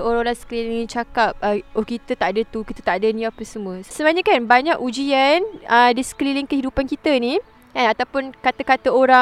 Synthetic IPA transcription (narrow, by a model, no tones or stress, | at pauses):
oɾaŋɾaŋsə̥kəlilɪŋit͡ʃakap̚əɔhkit̪ət̪aʔadat̪ukit̪ət̪aʔadanĩapəsəmuəssəmaɲəkanbaɲakud͡ʒianədisə̥kəlilɪŋkəɦidupankit̪əni | kanat̪awpʊnkat̪əkat̪əoɾa